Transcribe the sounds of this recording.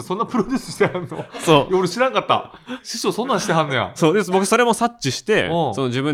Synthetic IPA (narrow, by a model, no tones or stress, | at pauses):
sõ̞nːapɯ̟ɾod̪ʲɨːsɨ̥ɕi̥t̪eãnːo̰soːjoɾɯɕiɾãnakat̪ːa̰ɕiɕoːsõ̞nːãɲ̃ɕi̥t̪eɦãnːoja̰so̞ːd̪esbokɯisoɾe̞mo̞sat͡ɕt͡ɕːiɕi̥t̪e̞̰so̞noʑibɯ̟̃ɲ